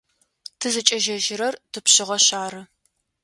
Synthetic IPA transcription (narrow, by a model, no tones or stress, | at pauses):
tʰɨzɨt͡ʃʼɐʒɐʒɪɾɐrtʰɨpɕɪʁɐɕaːɾɨ